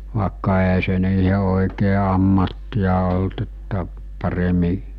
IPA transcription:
ʋɑˑekːɑ eæ se niːhe oˑikeː ɑmːɑtːijɑ olt etːæ pɑremi

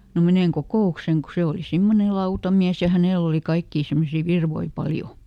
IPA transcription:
no meneŋ kokoˑukseŋ ku se oli simːone lɑutɑmiæs jɑ hæneˑl oli kɑikːiː simːosiː ʋirʋoi pɑljo

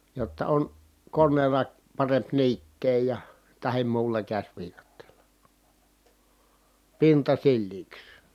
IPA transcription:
jotːɑ on konːeːlɑ pɑremp niːtːeː jɑ tɑhi̯m muːlːɑ kæsʲʋiːkɑtːeːlɑ pintɑ silːiːks

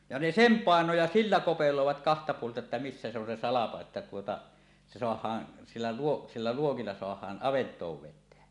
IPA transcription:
jɑ ne sem pɑˑeno jɑ silːæ kopeloˑeʋɑt kɑhtɑ puoltɑ etːæ misːæ se on se sɑlɑko etːæ tuotɑ se soɑhˑɑːn silːæ luo silːæ luokilːɑ soɑhˑɑːn ʔɑʋentˑoːʋ ʋetˑeæ

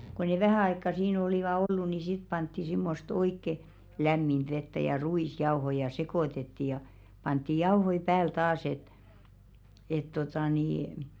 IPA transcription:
ko ne ʋæhæˑ ɑikːɑ siːn oliˑʋɑ olːu ni sit pɑntːi simːost oikːe læmːind̥ ʋetːæ jɑ ruisjɑohoĭ jɑ sekoˑtetːi jɑ pɑntːi jɑuhoi pæːl tɑːs et et totɑˑ niː

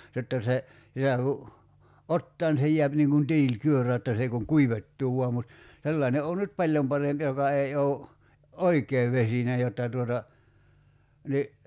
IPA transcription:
jotːɑ se sitæ ku otːɑː ni se jiæp niːŋ kun tiːlkyørø jotːɑ s ei kuŋ kuiʋetːuː ʋuɑ mut selːɑˑene oː nyt pɑlʲjom pɑremp jokɑ ei ou̞ oikˑeː ʋesine jotːɑ tuotɑ ni

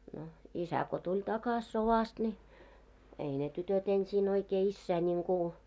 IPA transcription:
no isæ ko tulʲ tɑkɑs soʋɑst nʲi ei ne tytøt ensiːn oikeː isːæː nʲiŋku

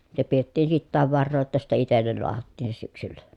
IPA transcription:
se pietːiːn sitːæːʋ ʋɑrːoː jotːɑ sitːe itelːel loɑhɑtːiːn se syksylːæ

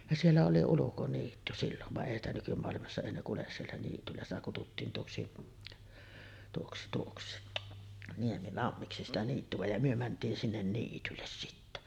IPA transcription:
jɑ sielːæ oli ulukoniːtːy silːon ʋɑʔ ʔeˑi stæ nykymoɑlimɑsːɑ eˑi ne kules sielːæ niːtylːæ sitæ kututːiːn tuoksi tuoksi tuoksi niemilɑmːiksi sitæ niːtːyʋ̆æ jɑ myø mæntˑiːn sinːen niːtylːes sitːæ

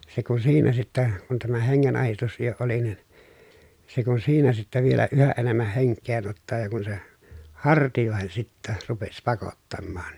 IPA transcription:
se kun siːnæ sitːæ kun tæmæ heŋːenɑhistus jo oli nin se kun siːnæ sitːæ ʋielæ yhæ ʔenemːæh heŋkˑeːn otːɑː jɑ kun se hɑrtijoˑehen sitːæ rupes pɑkotːɑmːɑːn

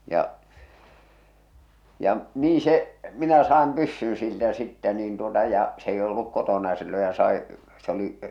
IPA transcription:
jɑ jɑ niː se minæ sɑːm pysːyn̞ siltæ sitːæ niːn tuotɑ jɑ s eˑi olːuk kotonɑ jɑ silːoj jɑ sɑi se oli

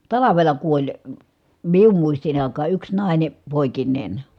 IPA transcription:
tɑlɑʋelɑ kuolʲ mium muistin ɑˑikɑː yks nɑˑi̯ne poˑikinˑeˑn

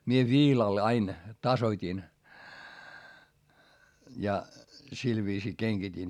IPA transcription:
mie ʋiːlɑl ɑin tɑsotʲin jɑ sil ʋiːsiː keŋɡ̊itin

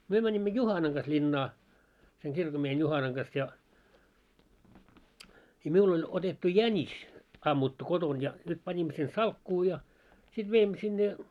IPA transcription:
myø mænʲimːø juhɑnɑŋ ɡ̊ɑs lʲinːɑː seŋ kirkomːiehen juhɑnɑŋ ɡ̊ɑs jɑ i miul olʲ otetːu jænʲis ɑmːutːu koton jɑ nyt pɑnʲimːo sen sɑlkːuː jɑ sit ʋeimːø sinːe

